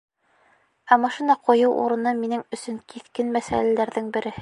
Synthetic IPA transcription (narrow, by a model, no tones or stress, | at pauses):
æmɑʃinɑqʰŏjɤwʔṵɾɤ̆nɤminɘŋɵ̆sɵŋkʰiθkɘnmæsæ̰lælæɾðɘŋbɘ̆ɾɘ̆hɘ